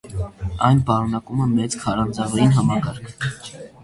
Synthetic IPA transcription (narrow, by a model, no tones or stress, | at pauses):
ɑjnpɑɾunɑkuməmɛt͡skʰɑɾɑnd͡zɑvɑjinɦɑmɑkɑɾkʰ